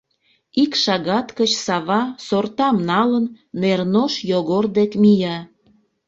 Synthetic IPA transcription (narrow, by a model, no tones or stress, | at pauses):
ikʃɑɣɑt̪kət͡ɕsɑβɑsort̪ɑmnɑlənː | ernoʃjoɣord̪ekmijɑ